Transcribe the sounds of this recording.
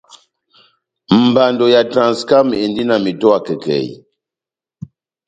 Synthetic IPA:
m̩˨ba˨ndɔ˨ja˨tɾã˨nska˦m˨e˨ndi˦na˨mi˨tɔ˦a˦˨kɛ˨kɛ̰˨j

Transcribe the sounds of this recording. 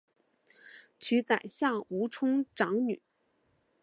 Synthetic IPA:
t͡ɕʰy˧˥t͡sa˨˩ɪɕja˥˩u˧˥ʈ͡ʂʰʊ˥ŋʈ͡ʂɑ˧˥ŋny˨˩˦

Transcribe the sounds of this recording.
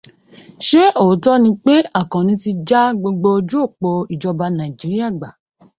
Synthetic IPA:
ʃe˦o˨˦tɔ˦nĩ˧k͡pe˦a˦˨kã˨nĩ˧˦ti˧d͡ʒa˦ɡ͡bo˧ɡ͡bo˧d͡ʒu˦o˦˨k͡po˧i˨d͡ʒɔ˧ba˧nã˨i˨d͡ʒi˨˦ɾi˦a˦˨ɡ͡ba˨

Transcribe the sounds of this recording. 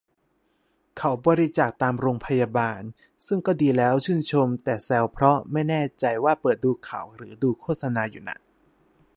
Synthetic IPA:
kʰa˩˦wbɔː˧ɾi˦t͡ɕaː˨˩k̚t̪aː˧mɾoː˧ŋpʰa˧ja˧baː˧n | sɯ˥˩ŋkɔː˥˩diː˧lɛː˦˥wt͡ɕʰɯː˥˩nt͡ɕʰo˧mt̪ɛː˨˩sɛ˧wpʰɾɔ˦˥ma˥˩jnɛː˥˩t͡ɕa˧jwaː˥˩pɤː˨˩t̪̚duː˧kʰa̰˨˩˦wɾɯː˩˦duː˧kʰoː˥˩t̪̚sa˧naː˧jṵ˨˩na̰˨˩˦k̚

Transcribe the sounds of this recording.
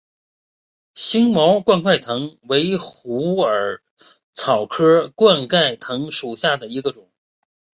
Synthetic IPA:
ɕi˥ŋmɑ˧˥ʊkwa˥˧nkʰwa˥˩ɪt̪ʰɤ˧˥ŋwe˧˥ɪxu˧˥ə˞˨˩ | t͡sʰɑ˨˩ʊkʰɤ˥kwa˥˧nka˥˩ɪt̪ʰɤ˧˥ŋʂu˨˩ɕja˥˩d̪ə˩i˧˥ɡə˧ʈ͡ʂʊ˨˩˦ŋ

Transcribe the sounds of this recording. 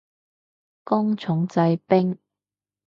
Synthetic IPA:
kʊ˥ŋt͡sʰʊ˨˥ŋt͡sɐ˧jpɪ˥ŋ

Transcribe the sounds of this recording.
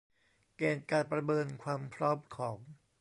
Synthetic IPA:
keː˧˩nkaː˧˩npɾa˧mɤː˧nkʰwaː˧mpʰɾɔː˦˥mkʰɔː˩˦ŋ

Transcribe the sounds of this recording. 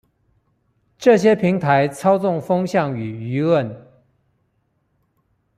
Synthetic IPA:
ʈ͡ʂɤ˥˩ɕ̬jɛ˥pʰi˧˥ŋt̪ʰa˧˥ɪt͡sʰɑ˥ʊt͡sʊ˥˩ŋfɤ˥ŋɕjɑ˥˩ŋy˨˩y˧˥wə˥˩n

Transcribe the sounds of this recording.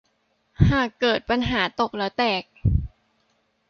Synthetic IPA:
haː˨˩kːɤː˨˩t̪̚pa˧nɦaː˩˦t̪o˨˩k̚lɛː˦˥wt̪ɛː˨˩k̚

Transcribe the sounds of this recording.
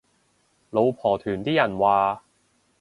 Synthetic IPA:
lo˨˧wpʰɔː˨˩t̪ʰyː˨˩nt̪iː˥jɐ˨˩nwaː˨˩

